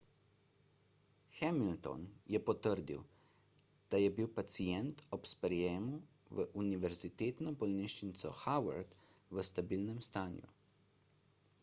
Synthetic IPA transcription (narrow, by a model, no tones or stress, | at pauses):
xɛmilt̪ɔ̰njɛpɔt̪əɾd̪ḭw | d̪̥ajɛbiwpat̪siɛnt̪ɔpspɾɛjɛːmu | ʋəʔuniʋɛɾzit̪eːt̪nɔbɔlniʃt͡ʃint̪sɔ̰xawa̰ɾd̪ʋəst̪abilnɛmst̪aːnjṵ